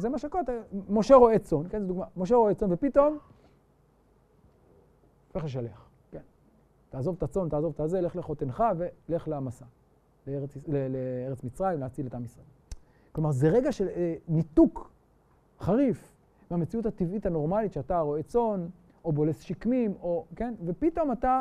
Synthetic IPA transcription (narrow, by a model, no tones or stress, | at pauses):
zemaʃeakot̪amo̞ʃe̞ʁo̞et͡so̞nkenzed̪uɡmamoʃ̬eʁoet͡so̞nvepit̪o̞m | feχeʃ̬aleχ | ken | taːzo̞vt̪at͡so̞nt̪aːzo̞vt̪azele̞χleχo̞t̪enχave̞le̞χleamasa | leeleleeʁet͡smit͡sʁaimleat͡sidletamisʁaem | klomaʁzeʁe̞ɡaʃenituk | χaʁif | meame̞t͡siuthat̪ivithano̞ʁmalitʃeataʁoet͡so̞n | ʔo̞bo̞lesʃikmimo̞ke̞nve̞pit̪o̞mata